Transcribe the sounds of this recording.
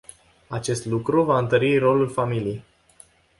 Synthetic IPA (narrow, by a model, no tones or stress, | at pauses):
at͡ʃe̞st̪lukɾuvaɨnt̪əɾiro̞lulfamiliej